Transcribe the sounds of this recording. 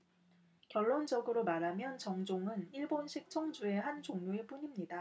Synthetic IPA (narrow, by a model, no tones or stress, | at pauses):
kjʌɭːond͡ʑʌɡɯɾomaɾamjʌnt͡ɕʌŋd͡ʑoŋɯniɭbonɕʰik̚t͡ɕʰʌŋd͡ʑue̞ɦand͡ʑoŋɲoeɭp͈uɲimɲida